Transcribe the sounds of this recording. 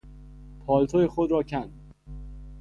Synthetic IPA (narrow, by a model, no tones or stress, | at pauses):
pʰɒːlt̪ʰojexod̪ɾɒːcʰænd̪